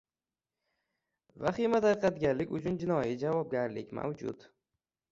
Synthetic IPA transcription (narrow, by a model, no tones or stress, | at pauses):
vaχimat̪ʰaɾ̚qat̪ɡʲanlɪkʲʊt͡ʃʰʊnd͡ʒɪnɒjid͡ʒavɒb̚ɡʲaɾlɪkʲma̰wd͡ʒʊ̰t̪